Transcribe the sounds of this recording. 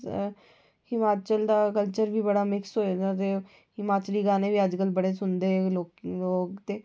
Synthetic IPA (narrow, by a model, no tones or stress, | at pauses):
hɪmaːt͡ʃəld̪aːkəlt͡ʃəɾbʱiːbəɽaːmɪksɦoːed̪at̪e | hɪmaːt͡ʃəliːɡaːneːbiːəd͡ʒkəlbəɽeːsʊnd̪eːloːkloːɡt̪eː